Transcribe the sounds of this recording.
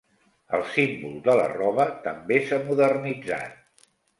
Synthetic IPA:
əlˠsimbulˠd̪ələ̰rɔβət̪əmbesamuðərnid͡za̰t̪̚

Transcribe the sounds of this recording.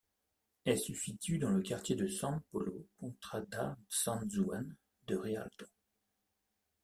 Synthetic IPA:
ɛlsysit̪yd̪ɑ̃ləkaʁt̪jed̪əsɑ̃pɔlokɔ̃t̪χad̪asɑ̃nzwan | d̪əʁea̰lt̪o̥

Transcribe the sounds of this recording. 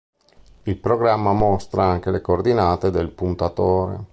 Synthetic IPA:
ilpɾoɡɾamːamɔst̪ɾaaŋk̟elekoord̪inaːt̪ed̪elpunt̪at̪oːɾḛ

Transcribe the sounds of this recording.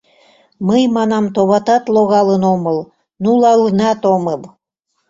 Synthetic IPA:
məjmɑnɑmt̪oβɑt̪ɑt̪loɣɑlənomɤl | nulɑlənɑt̪oməl

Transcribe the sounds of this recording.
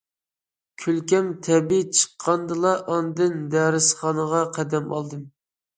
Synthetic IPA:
kʲʰylkʲɛmt̪ʰɛbit͡ʃʰə̥qʰːɑnd̪ɨlˠɑʔɑnd̪ɨnd̪æɾɪsχɑnəʁɑqʰæd̪ɛmɑ̰lˠd̪ɨm

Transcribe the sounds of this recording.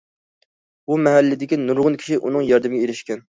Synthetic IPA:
bumɛɦɛlːɪd̪ɪkʲinuɾʁʊnkʲʰi̥ʃiʔunɨŋjɑɾd̪ɪmɪɡʲɛeɾɪʃkʲɛn

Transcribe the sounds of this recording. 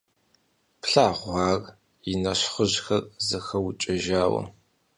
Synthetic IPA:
pɬaːʁʷɑːr | jɪnɐɕχəʑxɐrzɨxɐwt͡ʃʼɐʒaːwɐ̰

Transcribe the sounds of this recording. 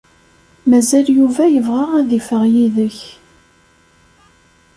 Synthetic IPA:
mæzæljuvæjəvʁaʁæðifəʁjiðəç

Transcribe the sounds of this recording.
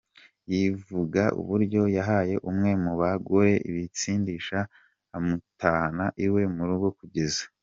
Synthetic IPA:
jivuɡaʔṵβuɾɟo̞jaɦaje̞ʔumŋe̞muβaɡoɾe̞ʔḭβit͡siːndiʃa | amutaːnaʔiwe̞muɾuɡo̞kuɟe̞zḁ

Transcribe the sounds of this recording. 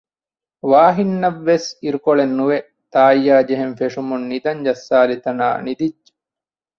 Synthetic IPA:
ʋaːɦinːɐʋːesiɾukoɭenːuʋe | t̪aːjːaːd͡ʒeɦenfeʂumunːid̪ɐɲd͡ʒɐsːaːlit̪ɐna̰ːnid̪id͡ʒːe̥

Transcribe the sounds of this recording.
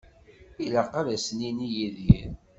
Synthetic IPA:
ilaqaɾæsninijiðiɾ

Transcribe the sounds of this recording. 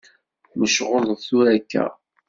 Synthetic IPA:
məʃʁoðˤðθuɾækːæ̰

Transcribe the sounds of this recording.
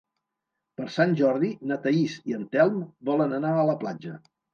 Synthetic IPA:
pəɾsanʲʒɔɾðinət̪əisiənt̪ɛlˠmbɔlənənaələpla̰d͡ʒə

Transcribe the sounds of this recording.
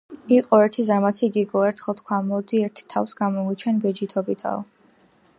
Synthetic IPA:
iqʼɔɛɾt̪ʰizaɾmat̪sʰiɡiɡɔɛɾt̪ʰχɔt̪ʰkʰwamɔd̪iɛɾt̪ʰt̪ʰːa̰fsɡamɔɡit͡ʃʰɛnbɛd͡ʒit̪ʰɔbit̪ʰa̰ɔ

